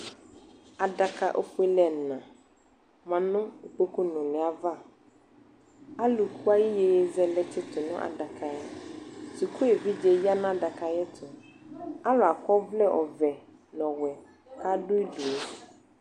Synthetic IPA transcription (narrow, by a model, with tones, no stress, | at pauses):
a˨da˨kʰa˨ʔo̰˦fʊ˦e˦lɛ˨n̩˨nã˨ | mã˨nʊ̃˦o˨k͡po˦ku˦nʊ̃˨nɪ̃˨a˨va˦˨ | a˦lu˨kʰu˦a˦ji˦je˨je˨zɛ˨lɛ˦t͡ʃʰɪ˦tʰʊ˨nʊ̃˦ʔa̰˨da˨kʰa˨jɛ˦tu˨kʰu˦e˨vi˦d͡ʒɛ˨ji˦a˦nʊ̃˦a˨da˨kʰa˨jɛ˦tʰʊ˨ | a˦lʊ˨a˨kɔ˦vlɛ˦ʔɔ˨vɛ˨ | nɔ̃˨wɛ˨ | kʰa˦dʊ˦i˦du˨e˦